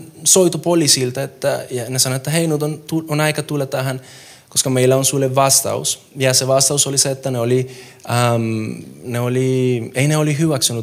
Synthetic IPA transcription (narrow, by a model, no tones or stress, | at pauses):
soit̪upolisilt̪ɑet̪ːæ̰jɑnesɑnoet̪ːæɦeinut̪ont̪uonɑikɑt̪ulːɑt̪æɦæn | koskɑmeilːæonsulːeʋʋɑst̪ɑ̰ṵs | jɑseʋɑst̪ɑusoliseet̪ːæneoli | amneolieineolihyʋæksnut̪